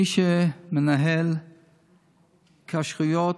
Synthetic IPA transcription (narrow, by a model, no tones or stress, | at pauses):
iʃemenaɦel | kʰaʃʁujot